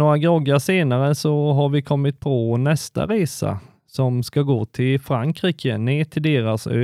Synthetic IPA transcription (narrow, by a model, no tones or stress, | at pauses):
noːɾaɡɔɡəseːnaɾəsɔɦaɾvɪkʰɔmːɪt̪̚pʰɔnɛst̪a̰ɾeːsa̰ | sɔmskaɡoːt̪ʰɪlfɾaŋkɾiːkə̰neːt̪ʰɪld̪eːɾasø̰ː